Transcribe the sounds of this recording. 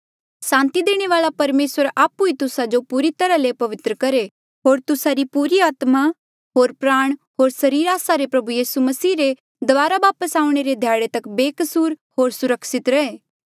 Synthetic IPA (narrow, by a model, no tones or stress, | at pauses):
sãːnt̪id̪eːɽ̃eʋaːɭapɐɾmeːsəɾaːpuit̪ʊsad͡ʒopuːɾit̪ɐɾalepɐʋɪt̪ɾəkɐɾe | ɦoːɾt̪ʊsaɾipuːɾiaːt̪ma | ɦoːɾpɾaːɽ̃ɦoːɾsɐɾiːɾaːsaɾepɾɐbujiːsumɐsiːɾe | d̪ʋaːɾaʋaːpəsaːũɽ̃eɾed̪ʱjaːɽet̪ɐkbeːkɐsuːɾɦoːɾsʊɾəkʃɪt̪ɾɐeː